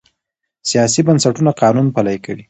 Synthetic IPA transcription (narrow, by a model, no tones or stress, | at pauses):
sijɑs̬ibansaʈunaqɑnunpalajkəɽi